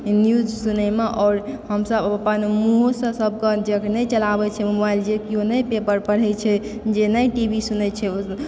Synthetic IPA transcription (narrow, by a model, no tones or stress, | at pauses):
njud͡ʒsunəmeʔɔːɾhəmsəbpənmuɦosə̃səb̚ʱkəd͡ʒeknɛjt͡ʃəlabɛt͡ʃʰɛmobajld͡ʒekionəjpepəɾpəɽ̤ɛt͡ʃʰɛd͡ʒenəjʈibʱisunɛt͡ʃʰɛo